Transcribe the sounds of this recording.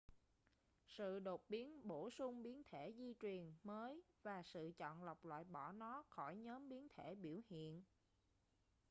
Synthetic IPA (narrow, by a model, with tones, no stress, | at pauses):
sɨ̰˧˨ɗo˨˩t̚ɓi˨˦ənɓo˧˩sʊ˧ŋ͡mɓi˨˦ənt̪ʰe˧˩zi˧t͡ɕwi˨˩ənməː˨˦jvaː˨˩sɨ̰˧˨t͡ɕɔ̰˧˨nla˨˩wk͡p̚lwa̰ː˧˨jɓɔ˧˩nɔ˨˦xɔ˧˩jɲɔː˨˦mɓi˨˦ənt̪ʰe˧˩ɓi˧˩əwhḭ˧˨ən